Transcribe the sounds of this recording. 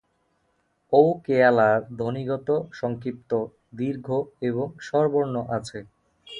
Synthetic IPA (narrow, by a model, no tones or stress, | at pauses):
owkealad̪ʱoniɡɔt̪oʃɔŋkɾip̚t̪o | d̪iɾɡʱoeβoŋʃɔɾboɾnoʔat͡ɕʰe